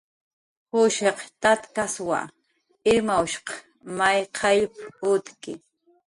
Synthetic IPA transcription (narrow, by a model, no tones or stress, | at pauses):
hʊʃeqt̪at̪kaswa̰ | ɪɾmawʃqɑ̥ | majqʰɑjpʊt̪kɪ̰